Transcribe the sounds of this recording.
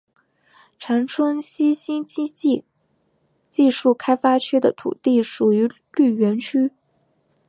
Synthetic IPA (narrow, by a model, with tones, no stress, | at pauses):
ʈ͡ʂʰa˧˥nʈ͡ʂʰwə˥ŋɕi˥ɕi˥ŋi˥˧ | t͡ɕi˥˧ʂu˥˩kʰa˥ɪfa˥t͡ɕʰɛ˥d̪ə̰˨t̪ʰṵ˨˩t̪i˥˩ʂu˨˩y˧˥ | ly˥˩ɥɛ˧˥nt͡ɕʰy˥